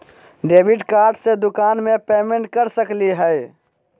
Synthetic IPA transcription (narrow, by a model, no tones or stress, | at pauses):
ɖebiʈkaːɾɖsed̪ukaːnmepeːmeɳʈ̚kəɾsəkliɦəj